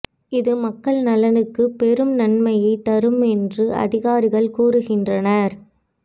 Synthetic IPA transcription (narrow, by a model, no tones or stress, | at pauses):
ɪðɯmɐkːɐɭnɐlɐnɯkːɯpɛɾɯmnɐnmɐjɐɪt̪ːɐɾɯmɛndrɯʔɐ̰ðɪɣaːɾɪɣɐɭkuːrɯɣɪndrɐnɐɾ